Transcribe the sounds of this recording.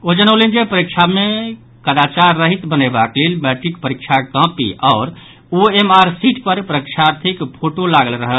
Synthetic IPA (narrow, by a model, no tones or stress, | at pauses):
od͡ʒənəlind͡ʒepəɾikʃʰame | kəd̪at͡ʃaɾːəɦit̪bənebakleːlmɛʈɾikpəɾikʃʰakə̃pḭʔɔːɾ | oemaɾsiʈpəɾpəɾəkʃʰaɾt̪ʰikpʰoʈolaɡəlɾəɦə